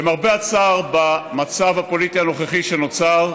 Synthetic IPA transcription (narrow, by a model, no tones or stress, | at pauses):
emaʁbeat͡saʁbamat͡savhapo̞lit̪iano̞χeχiʃenot͡saʁ